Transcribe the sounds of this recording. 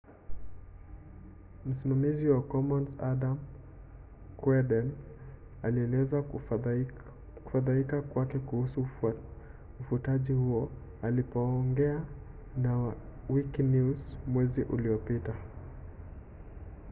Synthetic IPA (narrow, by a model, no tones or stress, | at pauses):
m̩simamiziwakɔmɔnsadam | kwɛdɛn | aliɛlɛza | ku̥faðaikakwakɛkuhusu | ufutaʄihuɔ | alipɔːŋɡɛa | nawiknuzmwɛziʔuliɔpita